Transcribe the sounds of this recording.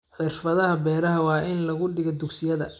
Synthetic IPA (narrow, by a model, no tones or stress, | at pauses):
ħɪrfɐðɐɦɐbɛːɾɐɦɐwɑːʔɪnlɐɣʊɖɪɣɔd̪ʊksɪjɐðɐ